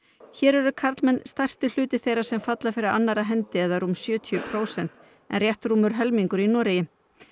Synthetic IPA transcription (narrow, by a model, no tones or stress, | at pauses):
çɛːɾɛɾʏkʰaɾt̪lmɛnst̪ajrst̪ɪl̥ʏːt̪ɪθejɾḁsɛmfat̪lafɪɾɪðanːaɾaɦɛnt̪ɪɛðaɾumsjœːt̪ʰiʏpʰɾoːwsɛn̥t̪̚ | ɛ̰nrjɛht̪ɾuːmʏɾ̥ɦɛlmiŋkʏɾinɔːɾɪjɪ